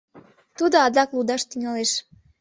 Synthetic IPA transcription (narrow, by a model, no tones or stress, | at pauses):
t̪ud̪oɑd̪ɑklud̪ɑʃt̪yŋɑleʃ